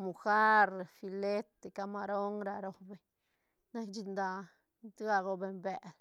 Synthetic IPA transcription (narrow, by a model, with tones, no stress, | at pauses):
mu˨xa˦ɾa˨fi˧le˦t̪e˨ka˧ma˧ɾo˦ŋɾa˧ɾo˨be˨ɲ | na˦kd͡ʒi˧nd̪a˧ | d̪ɡa˧ɡo˧be˨mbe˨l